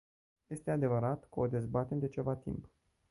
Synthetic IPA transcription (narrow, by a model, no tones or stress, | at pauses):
je̞st̪e̞ad̪e̞vəɾat̪kod̪e̞zbat̪ed̪e̞t͡ʃe̞vat̪ḭmp